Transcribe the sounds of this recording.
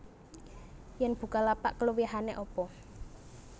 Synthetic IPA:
jɛnb̥ṳkalapa̰ʔkəluwiɦaneʔɔpɔ

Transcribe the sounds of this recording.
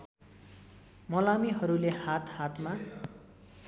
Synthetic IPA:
mʌlamiɦʌɾulehat̪hat̪ma

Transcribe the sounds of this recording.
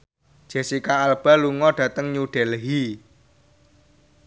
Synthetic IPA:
d̥ʒ̥e̤sikaːlb̥a̤luŋɔɖ̥ä̤t̪əŋɲuɖ̥ɛ̤lɦi

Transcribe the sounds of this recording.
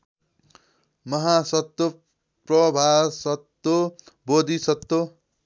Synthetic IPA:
mʌɦasʌt̪ːo | prʌbʱasʌt̪ːo | bod̪isʌt̪ːo

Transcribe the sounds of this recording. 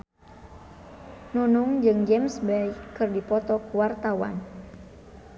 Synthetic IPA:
nunuŋd͡ʒɨŋd͡ʒɛmsbaikːɨrdipɔt̪ɔkuwart̪awa̰n

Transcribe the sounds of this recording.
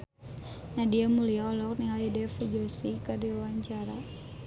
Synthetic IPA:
nadiamuliaɔlɔk̚niŋaljadɛfud͡ʒɔsikadiwwaɲt͡ʃaɾa

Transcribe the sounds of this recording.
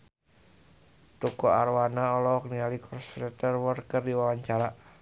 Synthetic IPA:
t̪ukɔarwanaɔlɔɔk̚nialikʰɔrsɾɛt̪ərwɔrkərdiwawaɲt͡ʃaɾa

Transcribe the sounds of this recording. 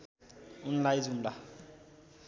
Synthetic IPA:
unlajzumla

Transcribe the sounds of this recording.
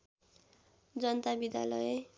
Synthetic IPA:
d͡zʌnt̪abid̪ja̰lʌje

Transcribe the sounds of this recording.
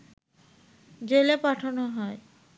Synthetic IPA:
d͡ʑelepaʈʰonoɦɔe

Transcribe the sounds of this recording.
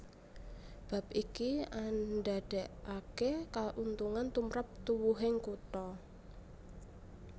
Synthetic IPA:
b̥a̤p̚ikianɖaɖ̥ɛ̤ʔakekaʔunt̪uŋant̪umɾap̚t̪uwuɦɪŋkut̪ɔ

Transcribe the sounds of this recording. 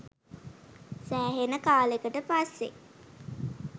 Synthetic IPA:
sæːɦenəkaːlekəʈəpasːe

